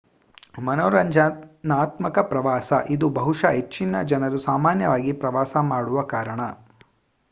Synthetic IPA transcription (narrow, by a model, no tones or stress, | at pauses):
mɐnɔːɾɐɲd͡ʒanaːt̪mɐkɐpɾɐʋaːsɐʔid̪ubɐɦuʂɐɦet͡ʃːinːɐ̰d͡ʒɐnɐɾusaːmaːnjɐʋaːɡipɾɐʋaːsɐmaːɽuʋɐkaːɾɐɳɐ